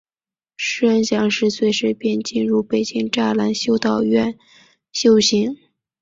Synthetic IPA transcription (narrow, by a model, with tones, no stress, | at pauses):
ʂɻ̩˥ə˥nɕjɑ˧˥ŋʂɻ̩˥˧swe˥˧ɪʂɻ̩˥˩pjɛ˥˧nt͡ɕi˥˧nɻu˥˩pe˨˩ɪt͡ɕi˥ŋʈ͡ʂa˥˩la˧˥nɕjo˥˧ʊt̪ɑ˥˧ʊɥɛ˥˩n | ɕjo˥˧ʊɕi˧˥ŋ